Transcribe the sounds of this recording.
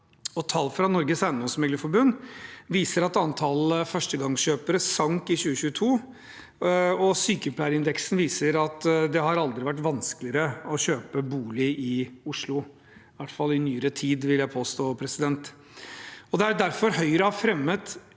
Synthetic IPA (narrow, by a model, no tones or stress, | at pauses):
ɔt̪ʰɑlːfɾɑnɔɾɡəsænːɔsmɛɡləfɔɾbʉnːʋiːsəɾɑt̪ɑnt̪ʰɑləfœʂʈəɡɑŋɕøːpəɾəsɑŋkɪɕʉːəɕʉːət̪ʰuː | ɔsyːkəpʰlæɪɾəɪnd̪ɛksnʋiːsəɾɑt̪d̪ɛɦɑɾɑld̪ɾɪʋæʈ̬ːʋɑnskəlɪəɾəɔɕøːpəbuːlɪʔɪʊʂlʊ | ʋæʈfɑlːɪnyːəɾət̪ʰiːd̪ʋɪljæɪpʰoːst̪oːpʰɾɛsɪd̪ɛnt̪ | ɔd̪ɛæɖæɾfɔɾɦœʏɾəɑfɾɛmːət̪